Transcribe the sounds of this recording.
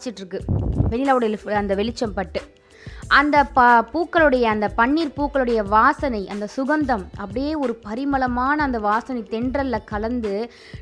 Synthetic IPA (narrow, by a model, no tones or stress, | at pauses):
t͡ʃːɪʈːrɯkːɯʋɛnɪlaːʋɯɽɐlɐnd̪ɐʋɛɭɪt͡ʃːɐmpɐʈːɯ | ʔɐnd̪ɐppuːkːɐɭɯɽɐjɐːnd̪ɐpɐɳːiːɾpuːkːɐɭɯɽɐjɐʋaːsɐnɐɪʔɐnd̪ɐsʊɣɐnd̪ɐmɐpːɐɽɪjeːɔɾɯpɐɾɪmɐɭɐmaːnɐːnd̪ɐʋaːsɐnɐɪt̪ɛɳɖrɐlːɐkɐlɐnd̪ɯ